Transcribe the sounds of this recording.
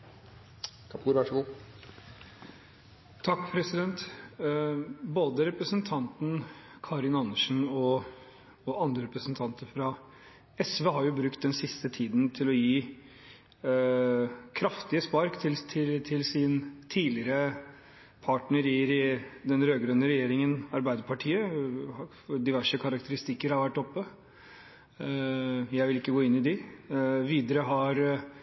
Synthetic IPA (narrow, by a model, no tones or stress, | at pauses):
kʰɑpʰuːɾʋæʂɡuː | t̪ʰɑkːpʰɾɛsɪd̪ɛnt̪ | boːd̪əɾɛpɾəsənt̪ʰɑnt̪n̩ | kʰɑɾɪnɑnəʂn̩ɔː | ɑnd̪ɾəɾɛpɾəsənt̪ʰɑnt̪əɾfɾɑ | ɛsʋɛɦɑɾjʊbɾʉkt̪̚d̪ɛnsɪst̪ət̪ʰiːd̪nt̪ʰɪlɔjiː | kʰɾɑft̪ɪəspɑɾkt̪ʰɪlt̪ʰɪt̪ʰɪlsɪnt̪ʰiːlɪɾə | pʰɑʈɳəɾɪɾd̪ɛnɾøːɡɾœnːəɾɛjeːɾɪŋənɑɾbæɪd̪əɾpʰɑʈʰiːə | d̪ɪʋæʂəkʰɑɾɑk̚t̪əɾɪst̪ɪkːəɾhɑɾʋæʈːɔpːə | jæɪʋɪlɪkːəɡoːɪnːɪd̪ɪ | ʋiːd̪əɾəɦɑɾ